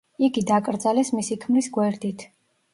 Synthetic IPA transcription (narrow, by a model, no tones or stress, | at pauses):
iɡid̪akʼɾd̪zalɛsmisikʰmlisɡwɛɾd̪it̪ʰ